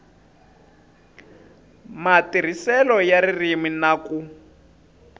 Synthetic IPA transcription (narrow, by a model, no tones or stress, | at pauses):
matir̤isɛlɔjaɾiriminaku